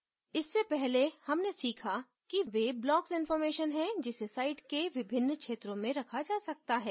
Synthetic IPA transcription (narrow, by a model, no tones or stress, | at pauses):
ɪsːepɛɦlehɐmnesiːkʰa | kiʋeblɔːksɪ̃nfɔːɾmeːʃənɦɛ̃d͡ʒɪsesaːɪʈkeʋɪbʱɪnːkʃeːt̪ɾõmẽɾɐkʰad͡ʒaːsɐk̚t̪aɦɛː